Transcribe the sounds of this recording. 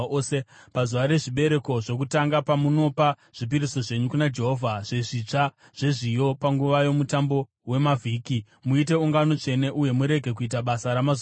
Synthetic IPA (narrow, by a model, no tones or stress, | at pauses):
sepazuʋaɾe̞ʐiɓe̞ɾe̞ko̞ʐo̞k̬utaŋɡapamuno̞pa | ʐ̥ip̬iɾiso̞ʐe̞ɲukunad͡ʒe̞ɦo̞vʱaʐ̥e̞ʐit͡ʂa | ʐ̥e̞ʐijo̞paŋɡuʋajo̞mutambo̞ | we̞mavʱiːki | muite̞uŋɡano̞t͡ʃe̞ne̞ʔuje̞muɾe̞ɡʱe̞k̬uitaɓasaɾamaz